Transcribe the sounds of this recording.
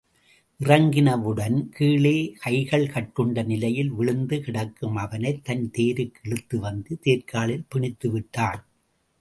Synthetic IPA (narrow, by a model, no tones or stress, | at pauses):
ʔɪrɐŋɡɪnɐʋɯɽɐnkʰiːɭeːkʰɐɪɣɐɭkɐʈ̚kɯɳɖɐnɪlɐjɪlʋɪɭɯnd̪ɯkɪɽɐkːɯmɐʋɐnɐɪt̪ːɐnt̪eːɾɯkːɛɭɯt̪ːɯʋɐnd̪ɯt̪eːɾkaːɭɪlpɪɳɪt̪ːɯʋɪʈːaːn